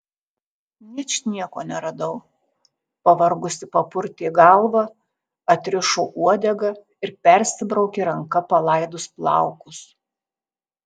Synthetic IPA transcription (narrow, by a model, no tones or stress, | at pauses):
nʲɪt͡ʃʲnʲiɛkoːnʲɛɾɐd̪ɐʊ | pɐʋɐɾɡʊsʲɪpɐpʊɾʲt̪ʲɪɡɐlˠʋɐ | ɐt̪ʲɾʲɪʃoːʔuɔd̪ʲɛɡɐ | ɪɾpʲɛɾʲsʲɪbɾɒʊkʲeːɾɐŋkɐpɐlˠɐˑɪd̪ʊsplˠɑ̰ˑʊkʊs